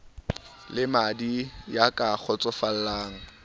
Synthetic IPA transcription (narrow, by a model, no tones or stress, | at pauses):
lɪmadijakʼak͡xʰɔt͡sʼɔfal̩laːŋ̩